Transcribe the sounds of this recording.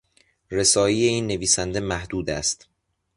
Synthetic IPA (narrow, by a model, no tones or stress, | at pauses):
re̞sɒːjije̞iːnːe̞viːsænd̪e̞mæhd̪uːd̪æst̪